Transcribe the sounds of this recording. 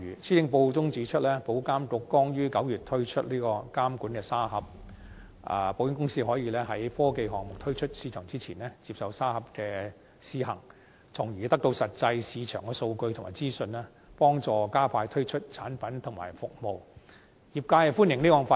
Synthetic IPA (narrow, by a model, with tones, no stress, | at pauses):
yː˨˩siː˥t̪ɪ˨˥ŋpo˧wt͡sʊ˥ŋt͡siː˨˥t͡ʃʰɵ˥t̚lɛː˥po˨˥wkaː˥mkʊ˨˧kːɔː˥ŋjyː˥kɐ˨˥wjyː˨˩t̪ʰɵ˥ɥt͡ʃʰɵ˥t̚liː˥kɔː˧kaː˥mkuː˨˥nkɛː˧saː˥ɦɐ˨˥p̚ | ɐ̰˨˧po˧wjɪ˧˥ŋkʊ˥ŋsiː˥ɦɔː˨˥jiː˨˧lɛː˥ɦɐ˨˥jfɔː˥ke˧jɦɔː˨ŋmʊ˨k̚t̪ʰɵ˥ɥt͡ʃʰɵ˥t̚siː˧˥t͡ʃʰœː˨˩ŋt͡siː˥t͡sʰiː˨˩nlɛː˥t͡si˧p̚sɐ˨wsaː˥hɐ˨˥p̚kɛː˧ | siː˧˥hɐ˨˩ŋ | t͡sʰʊ˨˩ŋjyː˨˩t̪ɐ˥k̚t̪o˧wsɐ˨t̚t͡sɐ˧jsiː˨˧t͡ʃʰœː˨˩ŋkɛː˧so˧wkɵ˧ɥt̪ʰmaː˨˩t͡siː˥sɵ˧nlɛː˥ | pɔː˥ŋt͡sɔː˨˧kaː˥pʰaː˧jt̪ʰɵ˥ɥt͡ʃʰɵ˥t̚t͡sʰaː˨˥npɐ˨˥nt̪ʰʊ˨˩ŋma̰ː˨˩jfʊ˨k̚mo˨˧w | jiː˨p̚kaː˧jɛ˧fuː˥njɪ˨˩ŋliː˥kɔː˨˧ŋfaː˧